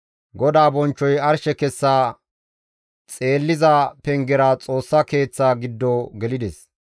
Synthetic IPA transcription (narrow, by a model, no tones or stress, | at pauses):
ɡɔd̪aːbɔnt͡ʃːɔjɐɾʃɛkɛsːaː | t͡sʼe̞ːlːɪzɐpɛŋɡɛɾaːt͡sʼo̞ːsːɐke̞ːt͡sːaːɡɪd̪ːoːɡɛlɪd̪ɛs